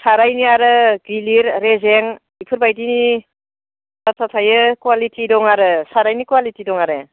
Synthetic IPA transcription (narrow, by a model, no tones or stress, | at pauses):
saɾajniaɾɯɡiliɾɾezeŋ | ipʰɯɾbajdini | tatʰatʰajɯkwalitʰidɔŋaɾɯsaɾajnikwalitidɔŋaɾɯ